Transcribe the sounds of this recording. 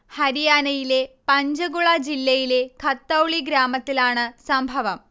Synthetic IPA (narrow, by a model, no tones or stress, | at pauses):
hɐɾijaːnɐjile̞pɐɲd͡ʑɐɡuɭɐd͡ʑilːɐjile̞kʰɐt̪ːɐwɭiɡɾaːmɐt̪ːilaːɳɨsɐmbʱɐʋɐm